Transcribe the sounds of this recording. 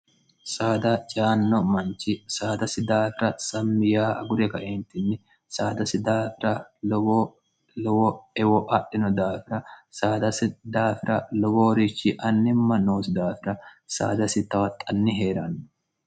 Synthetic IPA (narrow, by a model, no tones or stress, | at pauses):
saːd̪ɐt͡ʃʼaːnːɔmɐnt͡ʃɪsaːd̪ɐsɪd̪aːfɪɾɐsɐmːɪjaːʔɐ̰ɡʊɾɛkɐʔeːnt̪ɪnːɪ | saːd̪ɐsɪd̪aːfɪɾɐo | lɔwɔɛwɔʔɐʔːɪnɔd̪aːfɪɾɐsaːd̪ɐsɪd̪aːfɪɾʔɐlɔwoːɾɪt͡ʃːɪʔɐnːɪmːɐnoːsɪd̪aːfɪɾɐsa̰ːd̪ɐsɪt̪ːɐwɐt̪ʼːɐnːɪɦeːɾɐnːɔ̥